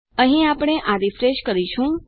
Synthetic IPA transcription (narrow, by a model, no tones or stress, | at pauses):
əɦĩapɽ̃eʔaɾifɾeʃkəɾiʃũ